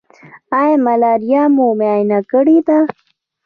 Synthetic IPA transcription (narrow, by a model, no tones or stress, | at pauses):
ajemalaːɾijamumeaːjnakəɽid̪a